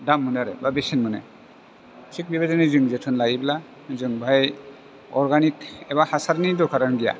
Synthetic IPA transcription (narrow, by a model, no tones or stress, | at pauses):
damːɯnaɾɛ̰babesɛnmɯnɛ̰ | tʰik̚bibazɔnizɯŋzɛtʰɯnlaɡibɛla | zɯŋbʱaj | ɔɹɡanik̚ɛbahasaɾnidɔkʰaɾanɡija̰